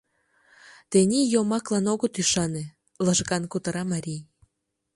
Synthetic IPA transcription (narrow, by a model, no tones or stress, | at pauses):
t̪enʲijomɑklɑnoɣot̪yʃɑne | ləʒɣɑnkut̪əɾɑmɑɾʲij